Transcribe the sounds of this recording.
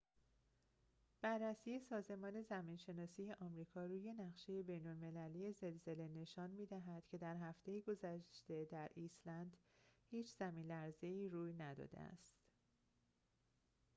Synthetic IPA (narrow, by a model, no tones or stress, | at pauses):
b̥ærːæsiːje̞sɒːze̞mɒːne̞zæmiːnʃe̞nɒːsiːje̞ʔɒmɾiːkʰɒːɾuːje̞næʁʃe̞je̞be̞jnolme̞lælije̞ze̞lze̞le̞ne̞ʃɒːnmiːd̪æɦæd̪̥cʰe̞d̪æɾɦæft̪ʰe̞jiɡo̞zæʃt̪e̞d̪æɾʔiːslænd̪hiːt͡ʃʰz̥æmiːnlæɾze̞iːɾuːjnæd̪ɒ̰ːd̪ḛæ̰st̪